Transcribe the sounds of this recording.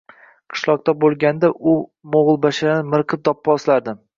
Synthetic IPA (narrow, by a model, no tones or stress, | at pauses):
qʰɨ̥ʃlˠɒq̚t̪abolˠɡʲand̪aʔʊmoʁɨlˠbaʃad̪anmɪɾqʰɨp̚d̪ɒpːɒslaɾd̪ɪ